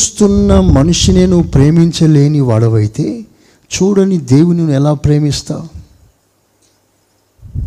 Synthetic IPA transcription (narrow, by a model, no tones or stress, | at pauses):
st̪unːɐmɐnuʂine̞ːnuʋupɾe̞ːmiɲt͡ʃɐle̞ːniʋaːɽɐʋɐjit̪e̞ː | t͡ʃuːɽɐnid̪e̞ːwuninɛlaːpɾe̞ːmist̪a̰ː